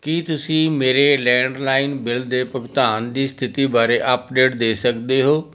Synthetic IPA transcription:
kiːt̪ʊsĩːmeːɾelɛ̃ːɳɖlaːɪnbɪld̪eːpəkt̪aːnd̪iːst̪ʰɪt̪iːbaːɾeʔapɖeːʈ̚d̪eːsəkd̪eːɦoː

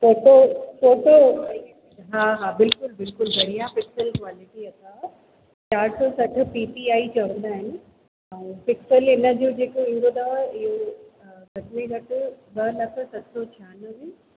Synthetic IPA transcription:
foːʈofoːʈo | ɦaɦabɪlkʊlbɪlkʊlbɐɽijapɪksəlkwaːlɪʈiɐt̪a | t͡ɕaːɾsɔsɐʈʰɪ̆piːʈiaːit͡ɕɐə̃nd̪aːɦɪnɪ̆ | ɐ̃pɪksəlɪnə̆d͡ʑoːd͡ʑeːkoɪ̃nɡ̪od̪aɪɦo | ɡʱɐʈnẽɡɐʈʊbɐlɐkʰəsɐtsɔt͡ɕʰaːnəmẽ

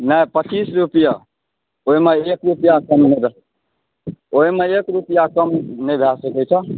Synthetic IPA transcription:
nəjpət͡ʃisɾupija | oimeekɾupijakəmnebʱ | oimeekɾupijakəmnebʱjasəkɛt͡ʃʰɛ

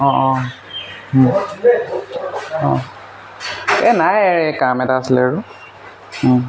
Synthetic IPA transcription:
ɔ̃ʔɔ | ɔ̃ | ɛnajɛkamɛtaslɛɹu

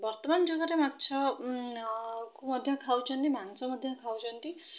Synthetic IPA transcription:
bʌrt̪ʌmand͡ʒuɡʌɾematːt͡sʰʌ | komʌd̪ʱjʌkʰawt͡sʰʌnt̪imansʌmʌd̪ʱjakʰawt͡sʰʌnt̪i

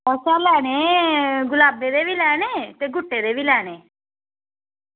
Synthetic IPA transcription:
əsalɛːneːɡʊlaːbeːd̪eːbiːlɛːneːt̪eːɡʊʈːeːd̪eːbiːlɛːɽeː

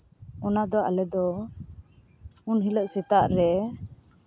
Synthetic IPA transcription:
ɔnad̪ɔa̰lɛd̪ɔ | unɦiləʔsɛt̪aʔɾɛ

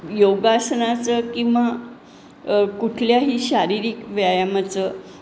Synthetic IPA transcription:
joɡasənat͡səkĩw̃ʋa | kuʈʰljaɦiːɕaɾiɾiːkʋjajamat͡sə

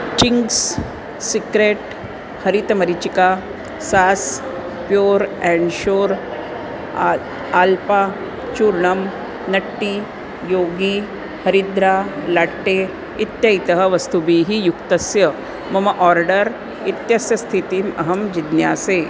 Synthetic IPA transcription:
t͡ɕiŋɡs | sikɾeʈ | həɾit̪mɐɾit͡ɕika | sas | pjoːɾɛɳɖɕoːɾ | alpa | t͡ʃuɾɳəm | nɐʈːiː | joɡi | həɾid̪ɾalaʈːe | it̪jait̪əɦəʋɐst̪ubiːɦijukt̪əsjə | mɐmɐʔɔɾɖəɾ | it̪jɐsjɐst̪ʰit̪iːmɐ̰ɦəmd͡ʑid̪njaːse

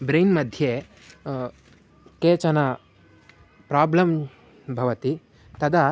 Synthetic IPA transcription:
bɾejnmɐd̪ʱje | keːt͡ʃɐnɐ | pɾaːblɐm | bʱɐʋɐt̪i | t̪ɐd̪ɐ

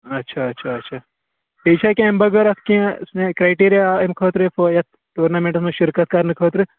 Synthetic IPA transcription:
ɐtːʃʰaɐtːʃʰaɐtːʃʰaː | peːt͡ʃʰakʲẽmbɐɡɐɾɐskĩsnekɾajʈeːɾijaemkʰoːt̪ɾɨfʰoːjɐt̪̚ | ʈuːɾnaːmẽɳʈɐsmẽʃɪɾkɐt̪̚kaɾnɨkʰoːt̪ɾɨ

